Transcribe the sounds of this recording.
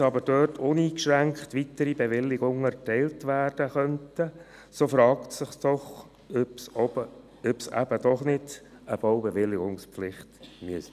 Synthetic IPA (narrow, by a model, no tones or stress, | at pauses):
ɑbəɾd̥øːtʰʊniːkʃɾæŋkχtʋitəɾibeʋɪlːɪɡʊŋɛɾtɛɪltʋæːrd̥əχœntə | soːfɾɑːktsɪχsd̥ɔχ | øpsɔbə | øpsæ̰b̥əd̥ɔχnɪd̥ | əb̥oʊwbeʋɪlːɪɡʊŋspflɪχtmyəs